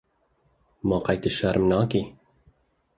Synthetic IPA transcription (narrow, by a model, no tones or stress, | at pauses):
moːqɑjt̪ʰɨʃɛɾmnɑːki